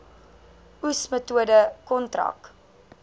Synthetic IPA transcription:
usmətuədəkɔntrɐ̰k

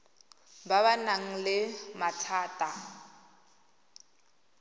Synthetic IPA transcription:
baβanaŋ̩lɪmatʰaːtʼa

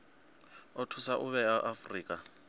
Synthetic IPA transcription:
ɔtʰusaʔʊβɛaʔafriːkʼa

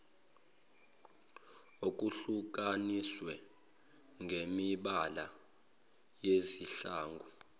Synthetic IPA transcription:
ok̬ʼuɬuk̬ʼaniswɛ | ŋɡʱemiɓala | jeziɬaːŋɡʱu

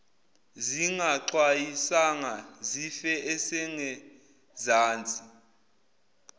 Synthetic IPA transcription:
ziŋaǀwajisaŋazifɛɛsɛŋɛ | zaːnt͡sʼi

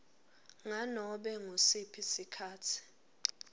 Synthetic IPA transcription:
ŋanɔɓɛŋosipʰisikʰaːtʰi̥

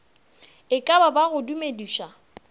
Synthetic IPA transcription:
ɪkʼababaɣʊdumediːʃa

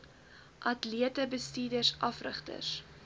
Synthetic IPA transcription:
ʔɐtliətəbəstiːdərsɐfrə̰χtə̰s

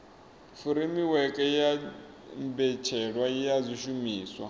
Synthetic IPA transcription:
fuɾimiwɛkʼɛjija | mbɛt͡ʃʰɛɺwajijazʷiʃumiːswa̰

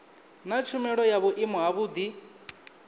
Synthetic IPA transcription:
nat͡ʃʰumɛɺɔjaβʊʔimɔɦaβuːd̪i

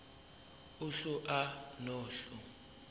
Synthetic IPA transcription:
uɬuʔanɔːɬu

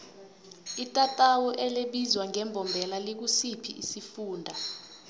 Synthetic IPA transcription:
itʼatʼawuʔɛleɓizwaŋɛmbʱɔmbʱɛlalek̬usipʰiʔisifuːndʱa

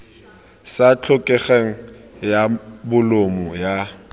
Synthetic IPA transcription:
sat͡ɬʰʊkʼɛχeŋ̩ | jabʊlomʊja

